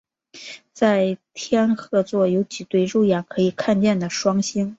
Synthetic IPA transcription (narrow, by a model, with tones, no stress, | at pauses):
t͡sa˥˩ɪt̪ʰjɛ˥nxɤ˥˧t͡swɔ˥˩jo˧˥ʊt͡ɕi˨˩t̪we˥˧ɪɻu˥˩ʊjɛ˨˩nkʰɤ˧˥i˨˩kʰa˥˧nt͡ɕjɛ˥˩nd̪ə˩ʂwɑ˥ŋɕi˥n